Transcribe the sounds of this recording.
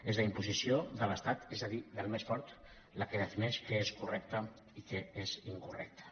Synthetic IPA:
ezðəimpuzisioðələst̪at̪ezəðiðəlˠmesfɔɾt̪ | ləkəð̞əfinɛʃkəeskurɛk̚t̪ə | ikəeziŋkurɛ̰k̚t̪ə̥

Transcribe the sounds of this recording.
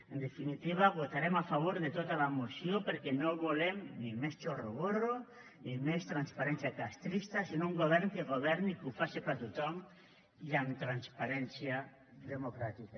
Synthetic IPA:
end̪efinit̪iβ̞aβut̪aɾemafaβoɾðet̪ot̪alamusjopeɾkɛnoβulemnimest͡ʃoroɣoro | nimest̪ɾanspaɾɛnsjakast̪ɾist̪asinouŋɡoβ̞ɛɾŋkeɣoβ̞ɛɾnikufasepat̪ut̪ɔm | iamt̪ɾanspaɾɛnsja | ðemokɾat̪ika

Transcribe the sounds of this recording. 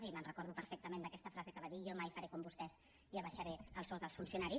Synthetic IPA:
zimənrəkɔɾðupəɾfek̚t̪əmẽnd̪əkɛst̪əfɾazəkəβaðiʒɔmajfəɾekombust̪ɛz | iəβəʃəɾeəlˠsɔzðəlˠfunsiunaɾi

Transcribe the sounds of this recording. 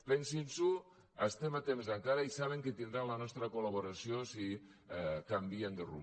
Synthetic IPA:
lensinsu | ast̪emat̪emzaŋkaɾaisaβeŋket̪ind̪ɾanlanɔst̪ɾakolaβoɾasijosi | kambiend̪erṵ

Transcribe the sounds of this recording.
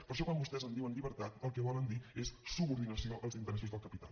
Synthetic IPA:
pəɾʃɔkwambust̪ɛzənd̪iwənʎiβəɾt̪at̪əlˠkəβɔlənd̪iessuβuɾðinəsioʔəlˠzint̪əɾɛsuzðəlˠkəpit̪a̰l

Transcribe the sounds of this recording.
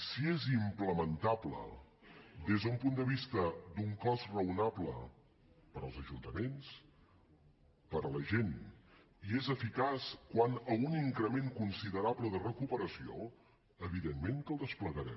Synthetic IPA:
siezimpləmənt̪ablə̰ | d̪ezðəumpund̪əβist̪əd̪uŋkɔzrəunaplə̰ | pəɾəlˠzəʒunt̪əmens | pəɾələʒen | iezəfikaskwanəuniŋkɾəmeŋkunsiðəɾapləðərəkupəɾəsio̰ | əβiðenmeŋk̪əlˠd̪əspləɣəɾɛ̰

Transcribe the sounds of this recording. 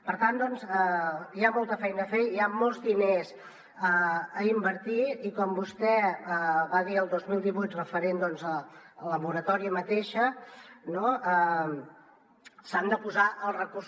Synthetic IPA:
pəɾt̪and̪ɔnzəjamɔlˠt̪əfɛjnəfeiamɔlˠzðinez | əəimbəɾt̪iikɔmbust̪ɛəβaðiəlˠd̪ozmilˠd̪iβujt̪rəfəɾend̪ɔnzəələmuɾət̪ɔɾiəmət̪eʃənoə | sand̪əpuzaʔəlˠrəkurs

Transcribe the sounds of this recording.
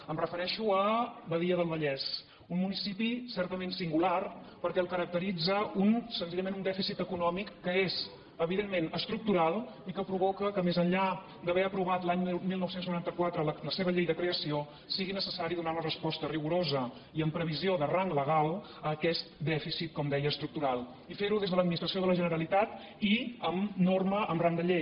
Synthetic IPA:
əmrəfəɾɛʃuəβəðiəðəlˠβəʎɛs | unmunisipisɛɾt̪əmensiŋɡular | pəɾkɛəlˠkəɾək̚t̪əɾid͡zəunsənziʎəmenund̪ɛfisit̪əkunɔmikːəez | əβiðemːenəst̪ɾuk̚t̪uɾalˠ | ikəpɾuβɔkəkəmezəɲʎa | d̪əβɛəpɾuβ̞at̪laɲmilˠnɔwsenznuɾant̪əkwat̪ɾələləseβəʎejðəkɾeəsio | siɣinəsəsaɾiðunaunərəspɔst̪əriɣuɾozə | iəmpɾəβizioðəraŋɡləɣalˠ | əːkɛst̪̚d̪ɛfisit̪̚kɔmd̪ɛjəəːst̪ɾuk̚t̪uɾalˠ | ifeɾuðezðələd̪minist̪ɾəsioðələʒənəɾəlit̪at̪ | iəmnorməʔəmraŋd̪əʎej

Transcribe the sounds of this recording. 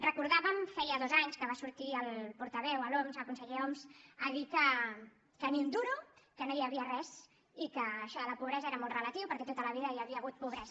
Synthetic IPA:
rəkuɾðaβəmfɛjəðɔzaɲskəβasuɾt̪iəlˠpuɾt̪əβɛwəlɔmzəkunsəʎɛɔmzəʎikə | kəniund̪uɾukənojəβiərɛz | ikəːʃɔləpuβ̞ɾɛzəɛɾəmɔlˠtrələt̪iwpəɾkɛt̪ot̪ələβiðəjəβiəɣ̞ut̪̚puβɾɛz

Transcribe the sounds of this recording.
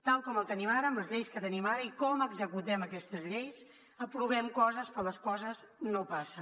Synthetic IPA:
t̪alˠkɔməlˠt̪ənimaɾəmləzʎejskət̪ənimaɾəikɔməɡzəkut̪ɛməkɛst̪əzʎejs | əpɾuβ̞ɛmkɔzəspɾɔləskɔzəznopasə

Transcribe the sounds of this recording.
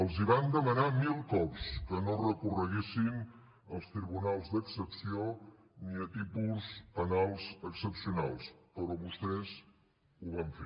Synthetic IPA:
əlˠziβand̪əmənamilˠkɔpskənorəkurəɣesin | əlˠst̪ɾiβunalˠzd̪əksəpsio | niət̪ipulzənalˠzəksəpsiuna̰lˠspəɾɔβust̪ɛz | uβaɱfe

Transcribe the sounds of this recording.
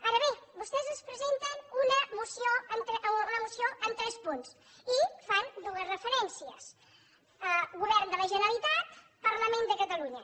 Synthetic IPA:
aɾəβebust̪ɛzəspɾəzent̪ənunəmusjoənt̪ɾɛʔunəmusioʔənt̪ɾɛspuns | ifand̪uəzrəfəɾɛnsiəs | əɣuβɛɾnd̪ələʒənəlit̪at̪̚ | pəɾləmẽnd̪əkət̪əluɲə

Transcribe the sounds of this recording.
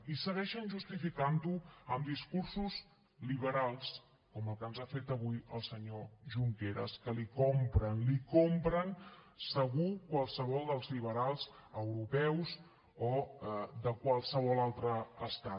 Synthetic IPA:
isəɣɛʃənʲʒust̪ifikant̪uəmd̪iskursuz | liβ̞əɾalˠs | kɔməlˠkənzafet̪əβujəlˠsəɲoʒuŋkeɾə̰skəlikɔmpɾənlikompɾənsəɣukwalˠsəβ̞ɔlˠd̪əlˠzliβ̞əɾalˠzəwɾupɛwz | od̪əkwalˠsəβ̞ɔlˠalˠt̪ɾəːst̪a

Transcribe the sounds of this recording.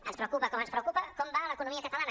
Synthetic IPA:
ənspɾəwkupɐkɔmənspɾəwkupɐkɔmbaləkunũmiəkət̪alan

